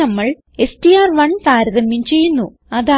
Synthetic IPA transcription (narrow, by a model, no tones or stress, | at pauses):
ɐmːɐɭ | e̞sʈiaːrʋɐɳpaːɾɐðɐmjumt͡ɕe̞jːunːu | ɐðaː